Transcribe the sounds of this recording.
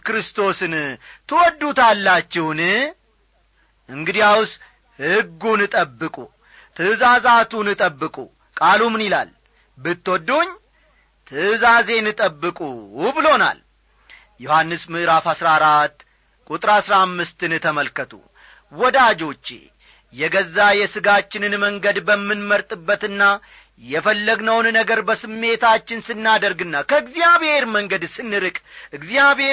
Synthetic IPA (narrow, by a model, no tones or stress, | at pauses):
kɾɨst̪ʰo̞sɨnt̪ʰɨwɔd̪ːut̪alːat͡ʃːɛwnɨ | ʔɨŋɡɨd̪ijaws | hɨɡːunɨt̪ʼəbːɨkʼu | t̪ʰɨzazat̪ʰunɨt̪ʼəbːɨkʼṵ | kʼalumnila̰l | bɨt̪ːwɔd̪ːoɲː | t̪ʰɨzaze̞nɨt̪ʼəbːɨkʼubɨlo̞na̰l | juhanːɨsmɨʔɾafhasɾaɾat̪ː | kʼut̪ʼɾasɾamːɨst̪ɨnt̪ʰəməlkːət̪ʰṵ | wɔd̪ad͡ʒo̞t͡ʃːḛ | jɛɡəzːajɛsɨɡat͡ʃːɪnɨnməŋɡəd̪bəmːɨnməɾt̪ʼɨbːət̪ɨnːa | jɛfəlːəɡnəwnnəɡəɾbəsɨmːe̞t̪ʰat͡ʃːɪnsɨnːad̪əɾɡɨnːakʰəɨɡzijaβhe̞ɾməŋɡəd̪sɨnːɨɾɨkʼʔɨɡzijaβe